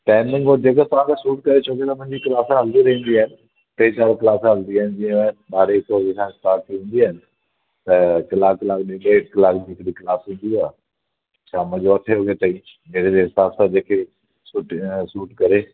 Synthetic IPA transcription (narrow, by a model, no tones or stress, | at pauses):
ʈɛːmnɪ̃ŋɡod͡ʑeːkət̪ɐʋ̤ãkʰesuːʈ̚kɐɾet͡ɕʰoːket̪ɐmʊ̃ɦɪ̃ɲd͡ʑikɪlaːsãɦɐld̪iɾɐɦĩn̆d̪iaːɦɪnɪ | ʈeːt͡ɕaːɾkɪlaːsãɦɐld̪iaːɦɪnɪ̆d͡ʑiə̃mẽɓaːɾeːksoːzesãɪʈ̪aːʈt̪ʰiɦũːn̆d̪iaːɦɪnɪ̆ | t̪ɐkɐlaːkkːɪlaːk̚ɗɪ̃ɗekɐlaːkd͡ʑiːkɾiklaːsɦĩːnd̪iaːɦ | t͡ɕʰaːmʊ̃d͡ʑoɐt̪ʰeoːɡet̪ɐĩ | d͡ʑeːkd͡ʑeɦɪsaːbsãd͡ʑeːkʰe | suʈsuːʈkɐɾeː